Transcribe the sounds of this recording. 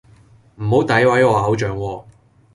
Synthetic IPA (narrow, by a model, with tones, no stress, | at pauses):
m̩˨˩ho˨˥wt̪ɐ˨˥jwɐ˨˥jɔː˨˧aː˨˥wt͡ʃœː˨˥ŋwɔː˧